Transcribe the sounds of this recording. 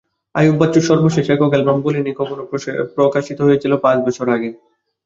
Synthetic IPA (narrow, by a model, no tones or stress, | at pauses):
a̰jubbat͡ɕoʃɔɾboʃeʃekoɡelbambolinikɔkʰonopɾokaʃit̪oɦojet͡ɕʰilopãt͡ɕbɔt͡ɕʰoɾaɡe